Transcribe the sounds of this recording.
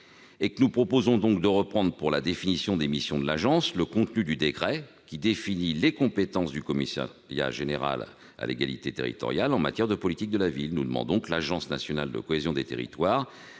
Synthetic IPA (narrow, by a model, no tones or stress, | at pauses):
ekənupχɔpozɔ̃d̪ɔ̃k̚d̪əʁəpχɑ̃d̪ʁpuʁlad̪efinisjɔ̃d̪emisjɔ̃d̪əlaʒɑ̃sləkɔ̃t̪nyd̪yd̪ekχɛ | kʲid̪efinilekɔ̃pet̪ɑ̃sd̪ykɔmisa̰ʁja̰ʒeneʁa̰l | a̰lḛɡalḭt̪et̪ḛʁḭt̪ɔ̰ʁjalɑ̃ma̰t̪jɛʁd̪əpɔlit̪ik̚d̪əlavilnud̪əmɑ̰̃d̪ɔ̃klaʒɑ̃snasjɔnald̪ə̰kɔezjɔ̃d̪et̪ḛʁḭt̪waːʁ